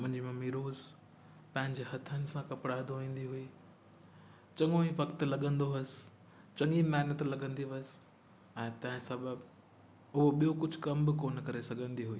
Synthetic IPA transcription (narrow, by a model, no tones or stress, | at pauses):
mʊ̃ɦɪ̃ɲd͡ʑimãmiːɾoːz | pɐ̃ɦɪ̃ɲd͡ʑeɦɐt̪ʰːənɪ̆sãkɐpɽaːɪd̪oʋĩːn̆d̪iɦʊiː | t͡ɕɐ̃ŋoiʋɐkt̪lɐɠə̃nd̪oɐs | t͡ɕɐ̃ŋimɛːɦnət̪lɐɠə̃nd̪iʋɐs | ɛ̃ːt̪ɐ̃ɦɪ̃sɐbəb | ɦʊɦoɓijokʊd͡ʑʱʊ̆kɐmbɪkoːnkɐɾesɐɡʱə̃nd̪iɦʊiː